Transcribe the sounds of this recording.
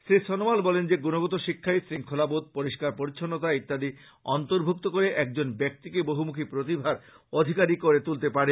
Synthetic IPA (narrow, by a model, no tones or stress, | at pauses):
sɾisɔnomalbɔlend͡ʑeɡunoɡɔt̪oʃikʰːaesɾiŋkʰolabod̪̚poɾiʃkaɾpoɾit͡ɕʰonːot̪aik̚t̪ad̪i | ɔnt̪oɾbʱuk̚t̪okoɾeʔɛk̚d͡ʑonbɛk̚t̪ikeboɦumukʰipɾot̪ibʱaɾ | od̪ʱikaɾikoɾet̪ult̪epaɾe